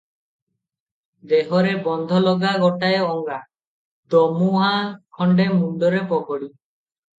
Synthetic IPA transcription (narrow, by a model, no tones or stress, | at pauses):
d̪eɦɔɾebɔnd̪ʱɔlɔɡaɡɔʈaeɔŋɡa | d̪ɔmuɦãkʰɔɳɖemuɳɖɔɾepɔkɔɽi